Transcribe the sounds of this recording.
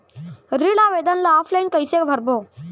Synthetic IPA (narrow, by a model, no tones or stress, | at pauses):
ɾiɽaʋed̪ənlaɔflainkəjsekbʱəɾbo